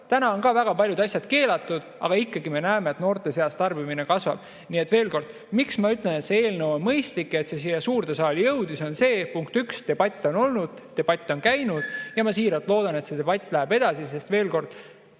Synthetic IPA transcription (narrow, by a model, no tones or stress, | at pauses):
t̪ænɑo̞nkɑvæɡ̥ɑpɑljud̪ɑsʲjɑd̪̥ke̞ːlɑt̪ːˑud̪̥ʔɑ̰ɡ̥ɑikˑːɑɡime̞næemeːt̪no̞ːrt̪ˑe̞seɑst̪ɑrbimine̞kɑsvɑ̰b̥ | niːe̞t̪ːˑve̞ːlko̞rd̪̥ | miksmɑyt̪ːˑlene̞t̪se̞e̞ːlnewonmɤjst̪likːˑe̞t̪se̞s̬ijesuːrt̪esɑːlijɤwd̪̥iso̞nse̞ːpuŋk̚t̪ykst̪e̞b̥ɑt̪ʲːˑo̞no̞lnud̪̥t̪ːe̞b̥ɑt̪ʲːˑo̞nkæjnud̪̥jɑmɑsiːɾɑlt̪ˑlo̞ːd̪̥ɑnet̪se̞t̪e̞bɑt̪ʲːˑlæebe̞d̪̥ɑsise̞st̪ve̞ːlko̞rd̪̥